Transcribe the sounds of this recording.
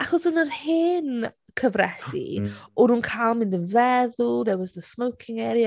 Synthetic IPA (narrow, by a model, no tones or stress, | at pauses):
aχɔsənərhɪn | kʰəvɾɛsḭʊɾunkʰaɪlˠmɪ̃ndəvɛðʊlˠðɛwɔzðəsmowkʰɪŋɛːɾja